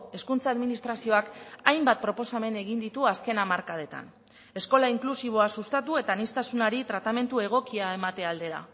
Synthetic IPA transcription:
e̞skunt͡saːðminist̪ɾasio̞akajmbat̪̚pɾo̞po̞same̞ne̞ɣind̪it̪uaske̞namaɾkað̞e̞t̪a̰n | e̞sko̞laiŋklusiβ̞o̞asust̪at̪ue̞t̪aːnist̪asunaɾit̪ɾat̪ame̞nt̪ue̞ɣ̞o̞kiae̞mat̪e̞ald̪e̞ɾa̰

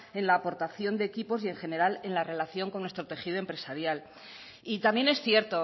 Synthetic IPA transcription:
e̞nlaːpo̞ɾt̪aθjo̞nd̪e̞ːkipo̞sie̞ŋxe̞ne̞ɾale̞nlare̞laθjo̞ŋko̞nːwest̪ɾo̞t̪e̞xiðoempɾe̞saɾjal | it̪ambje̞ne̞sθje̞ɾt̪o̞

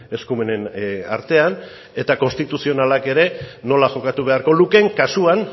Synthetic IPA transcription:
e̞skume̞ne̞na̰ɾt̪e̞an | e̞t̪ako̞nst̪it̪usio̞nalake̞ɾe̞no̞laʝo̞kat̪uβ̞e̞aɾko̞luke̞ŋkasuan

